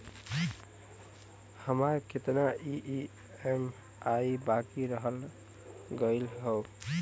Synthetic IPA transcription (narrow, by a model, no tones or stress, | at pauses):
həmaɾkʰet̪naʔiʔi | em | aibakiɾəɦəl | ɡəɪlɦow